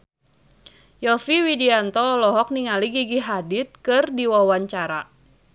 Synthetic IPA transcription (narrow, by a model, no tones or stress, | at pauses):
jɔfiwidiant̪ɔlɔɦɔk̚niŋaliɡiɡiɦadit̪̚kɨrdiwawaɲt͡ʃaɾa